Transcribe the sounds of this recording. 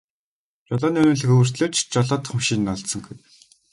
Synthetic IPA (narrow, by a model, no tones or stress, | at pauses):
t͡ɕɔɮɔːniːɵnuːɮɘ̆xɵwɘ̆r̥t̪ɮeːt͡ɕt͡ɕɔɮɔːt̪χʊ̆mʃiːnːɔɮt̪sɞ̆ŋɡuj̪